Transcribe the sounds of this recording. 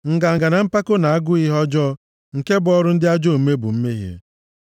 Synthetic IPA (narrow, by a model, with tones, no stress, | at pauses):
ŋ̩˨ɡa˨ŋ̩˨ɡa˨na˨m̩˦pa˦ko˦na˨a˦ɡʊ˦i˦ɦɔ˦d͡ʒɔ˦ | ŋ̩˨ke˦bʊ˨˦ɔ˦ɾʊ˦n̩˦dɪ˦a˦d͡ʒo˦˨m̩˦me˦bʊ̰˨m̩˦me˦ɦjḛ˦